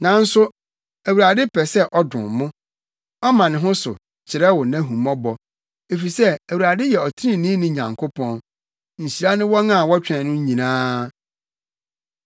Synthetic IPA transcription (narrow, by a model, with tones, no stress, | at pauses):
nã˨n̩˦sʊ˦ | æ˨wu˨ɾa˨dɪ˦pʰɛ˨sɛ˦ʔɔ˦dʊ̰̃˨mʊ̃˦ | ɔ˦mã˨nɪ̃˨ɦʊ̃˦sʊ̰˨ | t͡ɕʰɪ˨ɾɛ˦wʊ˨nã˦ɦũ˨mɔ̃˦bɔ˨ | e˨fi˨sɛ˦æ˨wu˨ɾa˨dɪ˦jɛ˨ɔ˨tʰĩ˦˨nĩ˦nɪ̃˦ɲã̰˨ŋkʰo˦pʰɔ̃˦n | ɲ̩˨ɕi˨ɾa˦nɪ̃˦wɔ˦nã˦˨wɔ˦t͡ɕᶣɛ̃˨nʊ̃˦ɲĩ˨nãː˦